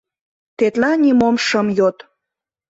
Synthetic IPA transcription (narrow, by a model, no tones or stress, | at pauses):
t̪et̪lɑnʲimomʃəmjot̪